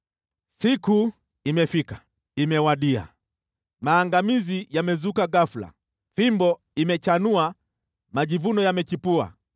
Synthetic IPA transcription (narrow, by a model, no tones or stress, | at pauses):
siku | imɛfikḁ | imɛwaɗia̰ | maːŋɡamizijamɛzukaɡafla̰ | fimbɔ | imɛt͡ʃanua | maʄivunɔjamɛt͡ʃipua̰